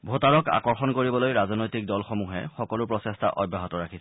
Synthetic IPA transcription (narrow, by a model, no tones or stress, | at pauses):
bʱotaɹɔka̰kɔɹxɔnkoɹibɔlojɹazɔnojtik̚dɔlxomuɦɛ̰xɔkɔlʊpɹɔsestʰa̰ʔɔbːaɦɔtɔɹakʰisɛ